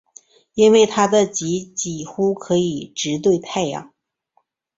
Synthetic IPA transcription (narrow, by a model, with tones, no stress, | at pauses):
i˥nwe˥˩ɪt̪ʰa˥d̪ə˨t͡ɕi˧˥t͡ɕi˨˩xu˥kʰɤ˧˥i˨˩ʈ͡ʂɻ̩˧˥t̪̬we˥˧ɪt̪ʰa˥˧ɪjɑ̰˥˩ŋ